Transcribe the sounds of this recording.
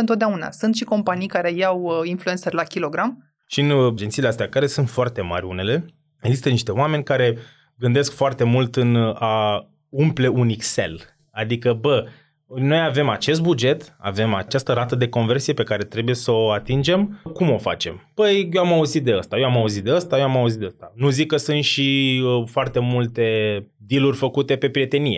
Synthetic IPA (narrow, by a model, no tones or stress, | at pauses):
ɨnt̪ot̪d̪eauna̰sunt̪ʃiko̞mpanijkaɾe̞jawinfluensərlakʲilo̞ɡɾam | ʃind͡ʒent̪sileast̪eakaɾe̞sunt̪foart̪e̞ma̰rʲune̞le̞ | eɡzist̪əniʃt̪e̞oame̞nʲkaɾe̞ | ɡɨnd̪e̞skfoart̪e̞mult̪ɨna | umple̞unikse̞̰l | ad̪ikəbə | no̞jave̞mat͡ʃe̞s̬t̪̚bud͡ʒe̞t̪a̰ve̞ma̰t͡ʃast̪əɾat̪əd̪e̞ko̞nve̞rsije̞pe̞kaɾe̞t̪ɾe̞buje̞səoat̪ind͡ʒe̞mkumo̞fa̰t͡ʃe̞̰mb̥əjjoamauzit̪̚d̪e̞əst̪ajoamauzit̪̚d̪eəst̪ajoamauzit̪eəst̪anuzikːəsunt̪ʃifoart̪e̞mult̪e̞ | d̪ilurʲfəkut̪e̞pe̞pɾije̞t̪e̞nije̞